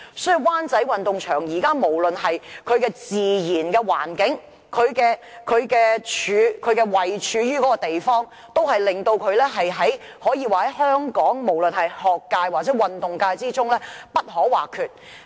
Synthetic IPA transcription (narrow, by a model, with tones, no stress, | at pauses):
sɔ˨˥ji˨waː˥nt͡sɐ˨˥jwɐ˨nt̪ʊ˨ŋt͡ʃʰœː˨˩ŋjiː˨˩kaː˥mo˨˩wlɵ˨nɦɐ˨jkʰɵ˨˧ɥkɛː˧t͡siː˨jiː˨˩nkɛː˧wa̰ː˨˩nkɪ˨˥ŋ | kʰɵ˨˧ɥkɛː˧ | kʰɵ˨˧ɥkɛː˧t͡ʃʰyː˨˧˥kʰɵ˨˧ɥkɛː˧wɐ˨jt͡ʃʰyː˨˧ɥyː˥kɔː˨˥kɔː˧t̪e˨jfɔː˥ŋ | t̪o˥whɐ˨jlɪ˨˩ŋt̪o˧wkʰɵ˨˧ɥlɛː˥ɦɐ˨jɦɐ˨˥j | hɔː˨˥jiː˧waː˨˩hɐ˨˥jhœː˥ŋkɔː˨˥ŋmo˨˩wlɵ˨nhɐ˨jhɔː˨kːaː˧jwaː˨t̚t͡sɛː˨˥wɐ˨nt̪ʊ˨ŋkaː˧jt͡siː˥t͡sʊ˥ŋlɛː˥pɐ˥t̚ɦɔː˨˥wa̰ː˨˩kʰyː˨t̚